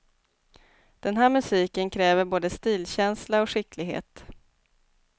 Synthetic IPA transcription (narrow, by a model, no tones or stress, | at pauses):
d̪̥ɛnɦæːɾmɵsiːkənkʰɾɛːvəɾboːd̪əst̪iːlɕɛnslaɔɧɪklɪɡɦhḛːt̪